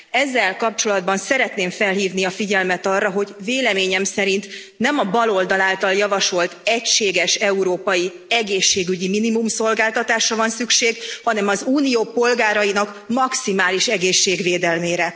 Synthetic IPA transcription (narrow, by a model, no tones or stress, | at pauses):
ɛzːɛlkɒp̚t͡ʃo̞lɒd̪bɒnsɛɾɛt̪neːɱfɛlɦiːvniɒfiɟɛlmɛt̪ɒrːɒɦo̞ɟveːlɛmeːɲɛmsɛɾint̪ | nɛmɒbɒlo̞ld̪ɒlaːlt̪ɒljɒvɒʃo̞lt̪ɛcʃeːɡɛʃɛuɾoːpɒji | ɛɡeːʃːeːɡyɟiminimumso̞lɡaːlt̪ɒt̪aːʃrɒvɒnsykʃeːɡhɒnɛmɒzuːnijoːpo̞lɡaːɾɒjinɒk | mɒksimaːliʃɛɡeːʃːeːɡveːd̪ɛlmeːɾɛ